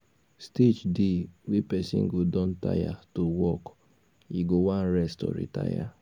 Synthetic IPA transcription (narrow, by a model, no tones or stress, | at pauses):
stet͡ʃdiwepɛsḭ̃ŋ̩ɡodɔ̃n̩ta̰ja̰towɔk | iɡowãn̩ɾɛstɔ̰ɾḭta̰ja̰